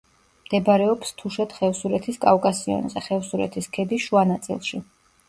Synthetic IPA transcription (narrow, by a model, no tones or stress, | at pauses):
md̪̥ɛbɾɛɔpst̪ʰuʃɛt̪χɛfsuɾɛt̪ʰiskʼavkʼasiɔ̰nzɛχɛvsuɾɛ̰t̪ʰiskʰɛbiʃuanat̪sʼḭlˠʃi